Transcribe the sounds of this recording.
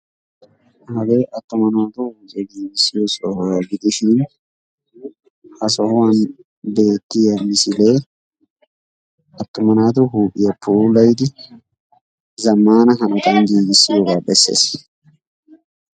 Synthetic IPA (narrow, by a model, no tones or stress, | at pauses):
hɐɡe̞ːʔɐt̪ːʊmɐnaːt̪ʊhuːʔʼɛɡiːɡɪsːɪjɔsɔhɡɪd̪ɪʃɪn | hɐsɔhwan | be̞ːt̪ːɪjɐmɪsɪleː | ʔɐt̪ːʊmɐnaːt̪ʊɦuːpʼːɪjɐpʰuːlɐjd̪ɪ | zɐmːaːnɐɦɐnɐt̪anɡiːɡɪsːɪjoɡaːbɛsːḛːs